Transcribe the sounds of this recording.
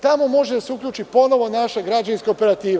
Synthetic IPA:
t̪amo̞mo̞ʒed̪aseukʎʲuːt͡ʃipo̞no̞ʋo̞naʃeɡɾad͡ʒaninskaope̞ɾat̪iːʋ

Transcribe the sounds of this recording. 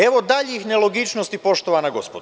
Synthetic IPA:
eʋod̪aʎeixnelˠo̞ɡit͡ʃnost̪ipo̞ʃt̪oʋanaɡo̞spod̪

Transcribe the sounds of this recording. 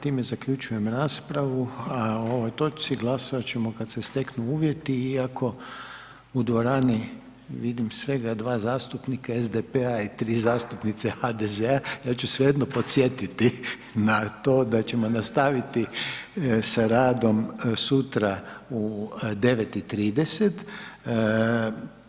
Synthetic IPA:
t̪iːme̞zakʎut͡ʃuje̞mɾaːspɾaʋuaoo̞ʋo̞jt̪o̞t͡ʃt̪siɡlˠasoʋat͡ɕe̞mo̞kat̪sest̪e̞knuuːʋje̞t̪iːakʰo̞ | ud̪ʋo̞ɾaːni | ʋid̪imsʋe̞ɡad̪ʋaːzaːst̪upnikaezd̪epeait̪ɾiːzaːst̪upnit̪sexad̪ezeajaːt͡ɕusʋejed̪nopot̪sjet̪it̪i | nat̪o̞ːd̪at͡ɕe̞mo̞nast̪aʋit̪i | saɾaːd̪o̞msut̪ɾaud̪e̞ʋet̪it̪ɾiːd̪eset̪

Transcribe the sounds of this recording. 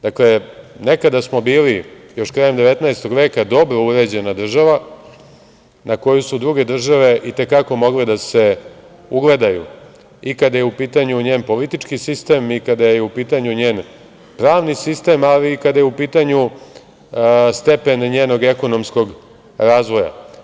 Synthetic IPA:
d̪akle̞ | ne̞kad̪asmo̞biːli | jo̞ʃkɾaje̞md̪e̞ʋet̪naest̪o̞ɡʋe̞ːkad̪o̞bɾo̞uɾe̞d͡ʑe̞nad̪r̩ʒaʋa | nako̞jusud̪ɾuɡe̞d̪r̩ʒaʋe̞ʔit̪e̞kako̞mo̞ɡlid̪ase̞ | uɡle̞d̪ajṵ | ikad̪ajeupiːt̪aɲuɲeːnpo̞lit̪it͡ʃkisist̪e̞mikad̪ajeupiːt̪aɲuɲe̞ːn | pɾaːʋnisist̪e̞maliːkad̪ajeupiːt̪aɲu | st̪e̞pe̞nɲeːno̞ɡe̞ko̞no̞msko̞ɡ | ɾaːzʋo̞ja̰

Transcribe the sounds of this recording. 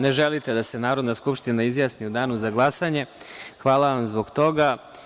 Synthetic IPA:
ne̞ʒelit̪e̞d̪ase̞naːɾod̪naskupʃt̪inaizjaːsniud̪aːnuzaɡlˠasaɲe̞xʋaːlˠaʋamzbo̞ɡt̪o̞ɡa

